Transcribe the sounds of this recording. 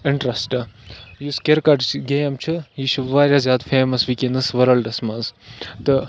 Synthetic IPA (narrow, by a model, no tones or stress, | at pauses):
ɪɳʈɾɐsʈɐjuskʲeɾkɐʈt͡ʃʰɡejɐmt͡ʃʰɨjiʃʰuʋaːɾʲjaːzʲjaːd̪feːmɐsʋikenɐsʋɐɾɐlɖɐsmɐːzt̪ɨ